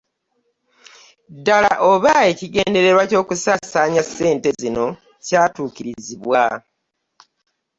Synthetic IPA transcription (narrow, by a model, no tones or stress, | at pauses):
dala̰ʔo̞βae̞ciɡe̞ːnde̞ɾe̞ɾwaco̞ːkusasaːɲase̞ːnte̞zino̞ | caːtuːciɾiziβwa